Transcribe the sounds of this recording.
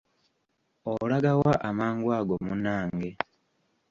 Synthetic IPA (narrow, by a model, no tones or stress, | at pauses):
olaɡawaʔamaːŋɡwaːɡo̞munaːŋɡe̞